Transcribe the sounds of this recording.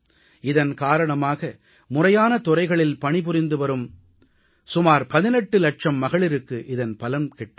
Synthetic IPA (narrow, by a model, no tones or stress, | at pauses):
ɪðɐnkaːɾɐɳɐmaːɣɐ | mʊrɐjaːnɐt̪ɔrɐɪɣɐɭɪlpɐɳɪp̬ʊɾɪnd̪ɯʋɐɾɯm | sʊmaːɾpɐðɪnɛʈːɯlɐʈ̚ʂɐmːɐɣɐɭɪɾɯkːɯʔɪðɐnpɐlɐmkɛʈːɯ